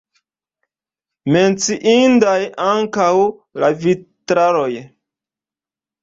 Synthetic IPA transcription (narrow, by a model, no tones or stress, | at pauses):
me̞nt͡siʔindajaŋkawlavitɾaɾoj